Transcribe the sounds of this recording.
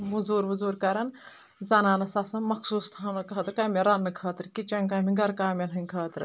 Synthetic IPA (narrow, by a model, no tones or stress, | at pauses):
ʋuzuːɾʋuzuːɾkɐɾɐn | zɐnaːnɐsɐsɐnmɐkʰsuːst̪ʰɐːnɐkʰɐːt̪ɨɾkɐːmʲeɾɐnːɨkʰɐːt̪ɾkit͡ʃɐŋkaːmʲiɡɐɾkaːmʲɐnɦɨnkʰɐːt̪ɾ